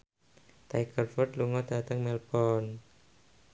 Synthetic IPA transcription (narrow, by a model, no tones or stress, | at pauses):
t̪ajkərfɔt̪luŋɔd̪̥at̪əŋmɛlbɔn